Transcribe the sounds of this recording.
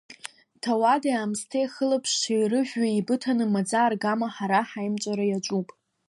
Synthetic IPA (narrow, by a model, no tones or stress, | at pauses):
tʰawadaaːmstʰejχəlapʰʂijrɨʒᶣʷɥaibɨtʰanɨmad͡zaːrɡamaħaɾaħajmt͡ʃʷʼaɾajat͡ʃʷʼupʼ